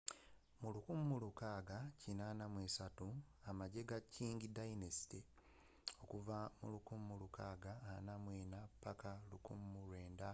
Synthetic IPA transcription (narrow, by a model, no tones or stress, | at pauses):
mulukumumulukaːɡacinaːnamwesatuamaɟe̞ɡacʰiːŋɡidainesi̥te | o̞kuvamulukumumulukaːɡaːnamwiːnapakalukṵmːulweːnda